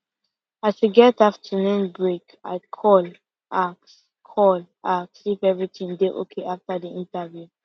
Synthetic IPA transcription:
asiɡɛtaftʰənũnbɹek | a̰ɪkʰɔl | ʔak̚s | kʰɔl | ak̚sifɛvɹitʰĩŋdeʔo̰kʰeʔaftadiĩntavju

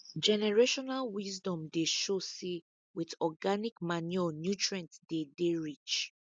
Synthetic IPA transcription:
d͡ʒɛnɛɹeʃɔnalwizdɔ̃mdeʃosi | wiðɔɡanikmanɛnjutɹɛ̃ntd̥edeɹit͡ʃ

